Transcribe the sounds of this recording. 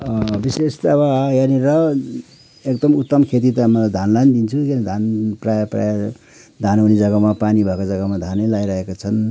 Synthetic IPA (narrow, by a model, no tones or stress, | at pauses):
ʌbisest̪abajaniɾʌ | ek̚d̪ʌmut̪ːʌmkʰet̪̬it̪ʌmʌlad̪ʱanland̪int͡sʰujanid̪ʱanprajapra̰ja | d̪ʱanɦunid͡zʌɡamapanibʱakod͡zʌɡamad̪ʱanʌjlajɾʌɦekot͡sʰʌn